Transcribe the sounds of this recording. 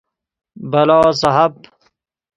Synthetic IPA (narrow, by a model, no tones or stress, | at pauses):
bɐlaːsɐɦɐb̚